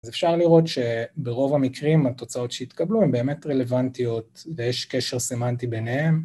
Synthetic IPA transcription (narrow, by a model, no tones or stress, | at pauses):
azefʃaʁliʁo̞tʃe̞beʁo̞vamikʁimat̪o̞t͡sao̞tʃeit̪kabluembe̞ːme̞t̪ʁelevant̪io̞t̪vejeʃkeʃeʁsemant̪ibenehe̞m